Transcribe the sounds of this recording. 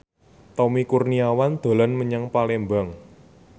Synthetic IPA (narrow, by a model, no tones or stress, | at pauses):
t̪ɔmikurniawand̪̥o̤lɔnməɲaŋpalembaŋ